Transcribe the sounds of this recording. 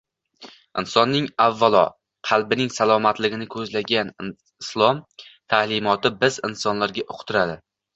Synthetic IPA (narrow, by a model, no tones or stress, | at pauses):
ɪnsɒnːɪŋavːalˠɒ̰ | qʰɑlˠbɪnɪŋsalˠɒmat̪lɪɡʲɪnɪkʰɵzlaɡʲan | ɪslˠɒmt̪ʰalɪmɒt̪ɪbɪzɪ̰nsɒnlaɾɡʲaʔoqʰt̪ʰɪɾad̪ɪ